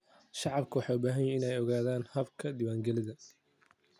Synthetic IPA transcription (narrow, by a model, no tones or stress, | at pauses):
ʃɑʕɑbkʰʊwɑħɑːʊbaːɦɐjɛɪnɛjɔɣaːðaːnhɐbkʰɐd̪ɪwaːŋɡɛlɪðɐ